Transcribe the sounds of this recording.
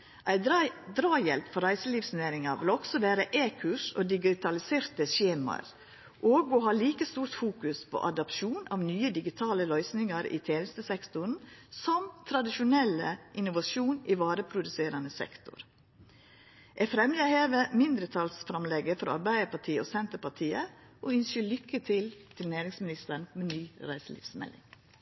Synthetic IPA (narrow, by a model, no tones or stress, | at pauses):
ʔæɪd̪ɾɑːjɛlpfɔɾæɪsəliːʋsneːɾɪŋɑʋɪlɔksɔʋæːɾəʔeːkʰʉʂo̰ːd̪ɪɡɪt̪ʰɑlɪseːɾt̪əʃeːmɑ̰ɾ | ʔoːɡoɦɑːliːkəst̪uːɾt̪fuːkʉspʰo̰ʔɑd̪ɑpʃuːnɑ̰ːʋnyːəd̪ɪɡɪt̪ʰɑːləlœʏsnɪŋɑɾḭt̪ʰeːnəst̪əsɛkt̪ʊn̩sɔmt̪ʰɾɑd̪ɪʃʊnɛlːəʔɪnʊʋɑʃuːnɪʋɑːɾəpʰɾʊd̪ʉseːɾɑnəsɛ̰kt̪ʊ̰ɾ | ʔɛfɾɛmjəheːʋəmɪnd̪ɾət̪ʰɑlsfɾɑmlɛɡəfɔɾɑ̰ɾbæɪəpɑʈʰiːosɛnt̪əpɑʈʰiːəʔɔʏnsəɭʏkːət̪ʰɪlt̪ʰɪlnæːɾɪŋsmɪnɪst̪əɳmɛnyːɾæɪsəlɪ̰fsmɛ̰lːɪ̰ŋ